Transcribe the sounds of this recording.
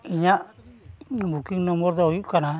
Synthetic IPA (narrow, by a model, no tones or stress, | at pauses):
iɲaʔ | bukiŋnɔmɔɾd̪ajuʔkana